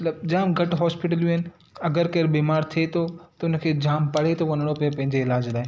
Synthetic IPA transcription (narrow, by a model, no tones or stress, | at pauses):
ɐt̪ləbd͡ʑaːmɡʱɐʈɦɔːspɪʈ̬əlʋjũɦɪnɪ̆ | ɐɡəɾkɐɾbiːmaːɾt̪ʰiet̪ʰot̪ɐʊnkʰeːd͡ʑaːmpɐɽ̤et̪ʰoʋɐnəɽ̃opɐepɐ̃ɦɪ̃ɲd͡ʑeɪlaːd͡ʑlaːɦɪ